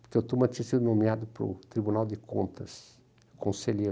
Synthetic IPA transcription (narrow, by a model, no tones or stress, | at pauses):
poɾkewt̪umɐt͡ʃ̪ĩɐsid̪ʊnõmiad̪ʊpɾʊ̰t̪ɾibunawd̪ɪkõ̰nt̪ʰɐs | kʰõseʎe